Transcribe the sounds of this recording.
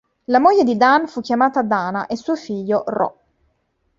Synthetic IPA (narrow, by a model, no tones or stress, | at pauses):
lamoʎːed̪id̪anfukːjamaːt̪ad̪aːna̰ʔesuːofiʎːorɔ̰